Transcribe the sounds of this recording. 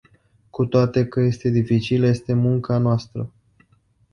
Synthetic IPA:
kut̪oat̪e̞kəje̞st̪e̞d̪ifit͡ʃiləje̞st̪e̞muŋkanoast̪ɾə

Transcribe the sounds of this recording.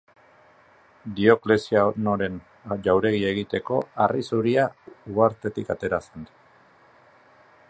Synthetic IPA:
d̪io̞kle̞siano̞ɾe̞n | ʎawɾe̞ɣie̞ɣit̪e̞ko̞arisuɾiauɣaɾt̪e̞t̪ikat̪e̞ɾasen

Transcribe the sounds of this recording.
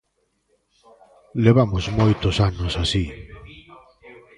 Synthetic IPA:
leβamʊzmojt̪osanosasi

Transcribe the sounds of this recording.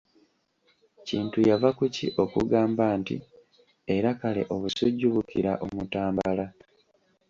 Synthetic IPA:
ciːntujavakuciʔo̞kṵɡaːmbaːntḭ | e̞ɾakale̞̰ʔo̞βusuɟːuβukḭɾa̰ʔo̞mutaːmbala

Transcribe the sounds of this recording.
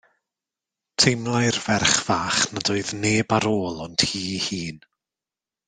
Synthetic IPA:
tʰejmlˠajrvɛrχv̥aːχnadʊːɨðneːbaɾoːlˠɔntʰhiːhiːn

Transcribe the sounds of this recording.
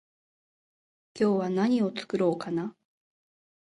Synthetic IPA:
kʲo̞ːβanaɲ̟io̞t͡sɨ̥kɯ̟ɾo̞ːkana

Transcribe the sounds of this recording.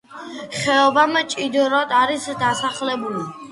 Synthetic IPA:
χɛɔbamt͡ʃʼid̪ɾɔd̪aɾisd̪asaχlɛbuli

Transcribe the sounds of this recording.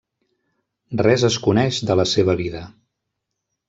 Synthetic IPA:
rɛzəskunɛʒðələseβ̞əβiðə

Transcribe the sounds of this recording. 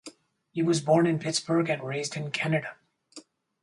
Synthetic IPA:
hiwʌzbɔɹnɨ̃npʰɪtsb̥ə˞ɡɨ̃nɹeɪzdɨ̃nkʰænɨɾə

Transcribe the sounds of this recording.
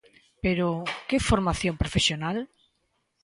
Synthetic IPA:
peɾokefoɾmaθjompɾofesjonal

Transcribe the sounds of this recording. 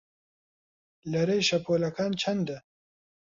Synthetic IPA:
lɐɾejʃɐpoːlɐkaːnt͡ʃʰɐnd̪a

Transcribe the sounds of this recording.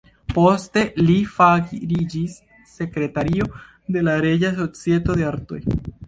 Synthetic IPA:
po̞ste̞lifaɡiɾid͡ʒisː | e̞kɾe̞taɾio̞ | de̞laɾe̞d͡ʒas̬o̞t͡sije̞to̞de̞aɾto̞̰j

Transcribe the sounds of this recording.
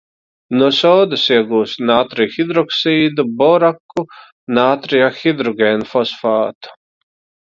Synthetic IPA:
nuɔsɔːd̪usiɛɡuːst̪naːt̪ɾijxid̪ɾɔksiːd̪ubɔɾakːu | naːt̪ɾijaxid̪ɾɔɡʲeːnfɔsfaːt̪u̥

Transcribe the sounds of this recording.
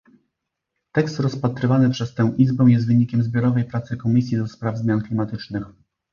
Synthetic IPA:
t̪ɛkst̪ɾɔspat̪ɾɘvanɘpʂɛst̪ɛ̃w̃ʔizbɛ̃w̃jɛst̪vɘɲikʲɛmzbʲjɔɾɔvɛjpɾat̪sɘkɔmʲisʲjid̪ɔspɾavzmʲjanklʲimat̪ɘt͡ʂnɘx

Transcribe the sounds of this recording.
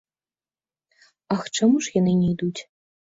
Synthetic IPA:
axʈ͡ʂamuʂjanɨnʲijd̪ut͡sʲ

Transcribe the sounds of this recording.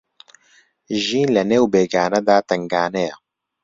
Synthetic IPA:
ʒiːnlɛneːwbeːɡaːnɛd̪aːt̪ɛŋɡaːnɛjɛ

